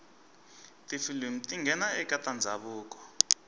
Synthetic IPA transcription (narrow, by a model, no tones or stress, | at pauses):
tʼifilim̩tʼiŋɡʱɛnaɛkʼatʼand͡zʱaɓuːkʼɔ̥